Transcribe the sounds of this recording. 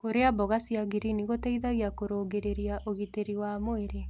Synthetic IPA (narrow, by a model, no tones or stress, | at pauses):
koɾeabɔɣasiaɣiɾiniɣotɛiðaɣiakoɾoːɡeɾeɾiaʔoɣiteɾiwamoeɾe